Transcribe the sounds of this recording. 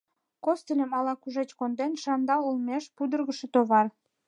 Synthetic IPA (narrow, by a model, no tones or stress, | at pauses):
kost̪elʲəmɑlɑkuʒet͡ɕkond̪enʃɑnd̪ɑulmeʃpud̪ərɣəʃet̪oβɑr